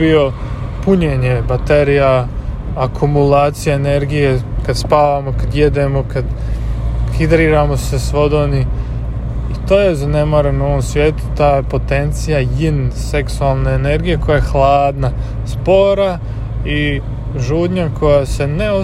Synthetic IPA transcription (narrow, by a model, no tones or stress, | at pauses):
io̞ | puɲeːɲebat̪eɾija | akʰumulaːt̪sijaene̞ɾɡije̞kad̪spaːʋamo̞kad̪jed̪emokad̪ | xid̪ɾiːɾamo̞sesʋo̞d̪oni | it̪o̞ːjezane̞maːɾanoʋo̞msʋʲje̞ːt̪u̥t̪aːjepo̞t̪e̞nt̪sijajinse̞ksualˠneːne̞ɾɡije̞ko̞jajexlˠaːd̪na | spo̞ɾa | i | ʒuːd̪ɲako̞jase̞neo